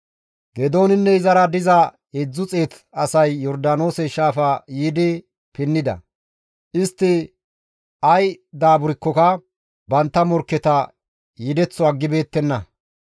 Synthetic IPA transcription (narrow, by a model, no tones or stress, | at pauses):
ɡɛd̪o̞ːnɪnːɛɪzɐɾɐd̪ɪzɐ | ɛd͡zːʊt͡sʼeːt̪ | ɐsɐjːɔɾd̪aːno̞ːsɛʃaːfajiːd̪ɪ | pɪnːɪd̪ɐ̰ | ʔɪst̪ːɪ | ɐjd̪aːbʊɾɪkːɔkɐ | bɐnt̪ːɐmɔɾkːɛt̪ɐ | jid̪ɛt͡sːɔɐɡːɪbe̞ːt̪ːɛnːɐ